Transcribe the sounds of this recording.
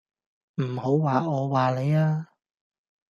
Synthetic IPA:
m̩˨˩ho˨˥wwaː˨ɔː˨˧waː˨le˨˧jaː˧

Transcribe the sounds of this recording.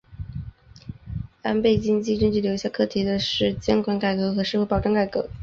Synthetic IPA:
a˥npe˥˩ɪt͡ɕi˥ŋt͡ɕi˥˧ʈ͡ʂə˥ŋt͡ɕy˥˩ljʊ˧˩ɕja˥˩kʰɤ˥˩t̪ʰi˧˥d̪ə˧ʂɻ̩˥˩t͡ɕjɛ˥nkwa˧˥nka˨˩ɪkɤ˧˥xɤ˧˥ʂɻ̩˥˧we˥ɪpɑ˨˩ʊʈ͡ʂɤ˥˧ŋka˨˩ɪkɤ˧˥

